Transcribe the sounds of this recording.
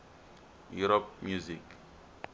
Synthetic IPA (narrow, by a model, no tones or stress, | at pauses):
juɾɔp̚mjuzik